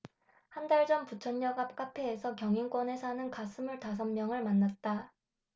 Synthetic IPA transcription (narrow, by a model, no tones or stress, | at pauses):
handaɭd͡ʑʌmput͡ɕʰʌnːʌɡap̚k͈apʰeːsʰʌkjʌŋiŋk͈wʌne̞sʰanɯnkasʰɯmuɭtas̬ʰʌmːjʌŋɯɭmanːat̚t͈a